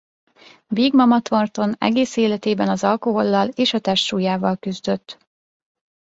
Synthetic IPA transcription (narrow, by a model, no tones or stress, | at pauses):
biːɡmɒmɒt̪o̞rt̪o̞nɛ̰ɡeːseːlɛt̪eːbɛnɒzɒlko̞ɦo̞lːɒleːʃɒt̪ɛʃʃuːjaːvɒlkyzd̪øt̪ː